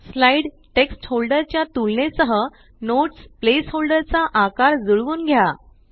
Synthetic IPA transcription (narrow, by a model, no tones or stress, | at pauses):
slaiɽ | ʈeksʈhɦolɖəɾt͡ɕjat̪ulnesəɦə | noʈsplesholɖəɾt͡saʔakaɾd͡zuɭʋuːnɡʱja